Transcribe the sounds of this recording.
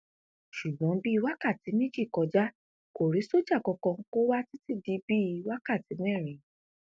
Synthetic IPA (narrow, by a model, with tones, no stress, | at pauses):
ʃu˨ɡ͡bɔ̃˨˦bi˦i˧wa˦ka˦˨ti˨˦mĩ˦d͡ʒi˦˨kɔ˧d͡ʒa˦ | ko˨ɾi˨˦so˦d͡ʒa˦˨kɔ˧kɔ̃˧ko˦wa˦ti˦ti˦˨di˧˦bi˦i˧wa˦ka˦˨ti˨˦mɛ̃˦˨ɾ̃ĩ˨˦